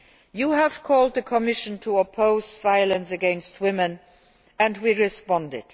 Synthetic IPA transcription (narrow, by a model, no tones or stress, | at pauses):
juːɦəv̥kʰɔːld̪̚ðəkʰɔmɪʃə̃ntʰuɔpʰoʊzvaɪələ̃nsəɡɛ̃nst̚ʰwɪmə̃n | ə̃ndwiɹɪspɑ̃ndɪ̰d̥